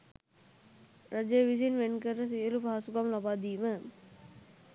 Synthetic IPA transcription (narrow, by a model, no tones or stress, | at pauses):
ɾəd͡ʒejʋis̬inʋenkəɾəsijəlupaɦasukamlabaːd̪iːmə